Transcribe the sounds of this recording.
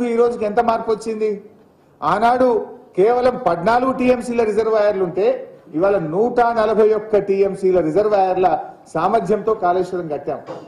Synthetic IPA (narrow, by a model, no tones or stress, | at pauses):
uiːɾoːd͡ʒuk̬ent̪ɐmaːɾpuʋɐt͡ʃːind̪i | aːnaːɽukeːʋɐlɐmpɐdnaːluɡuʈiːe̞msiːlɐɾid͡ʒɐɾʋaːjɐɾluɳʈe̞ːiʋaːlɐnuːʈɐnɐlɐbʱɐjɔkːɐʈiːemsiːlɐɾid͡ʒɐɾʋaːjɐɾlɐsaːmɐɾd̪ʱjɐmt̪o̞ːkaːleːʂɐɽɐmɡɐʈːja̰ːm